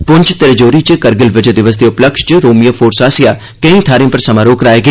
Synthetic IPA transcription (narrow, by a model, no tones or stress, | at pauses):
pʊɲʲt͡ʃʰt̪eɾed͡ʒoːɾit͡ʃəkɐɾɡɪlʋɪd͡ʒəd̪ɪʋəs̬d̪eʊpləkʃt͡ʃəɾoːmijafʰoːɾsaːsjaː | kẽĩːt̪ʰaːɾĩmpɐɾsɐmaːɾoːkɾaːeɡe